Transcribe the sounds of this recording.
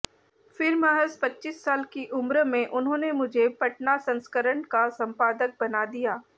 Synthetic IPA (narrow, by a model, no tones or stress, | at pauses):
fɪɾməɦəspɐtːʃiːsːaːlkiʔʊmɾəmẽʔʊnɦõːnemʊd͡ʒʱepɐʈnasɐ̃nskəɾəɳkasɐ̃mpaːd̪ək̚bɐnad̪ijaː